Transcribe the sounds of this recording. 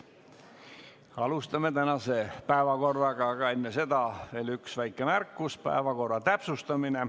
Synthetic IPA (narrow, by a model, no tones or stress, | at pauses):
ɑlust̪ɑme̞t̪ænɑse̞pæevɑko̞rːɑɡ̥ɑɡ̥ɑe̞nːe̞se̞d̪ɑve̞ːlyksvæjkːˑe̞mærkːuspæ̰evɑko̞rːɑt̪æpsust̪ɑmine̞